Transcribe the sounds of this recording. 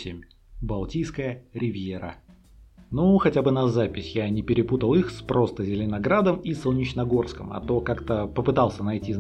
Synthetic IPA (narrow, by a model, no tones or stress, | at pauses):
sʲɪmʲ | bɐlˠtʲijskəjəɾʲɪvʲjeɾə̰ | nuxɐtʲabɨnɐzapʲɪsʲjanʲɪpʲɪɾʲɪput̪əlˠixspɾo̞st̪əzʲɪlʲɪnɐɡɾad̪əmisolˠnʲɪt͡ɕnɐɡo̞rskəmɐ̰t̪okakt̪əpəpɨt̪ɑlˠsʲənɐjtʲiz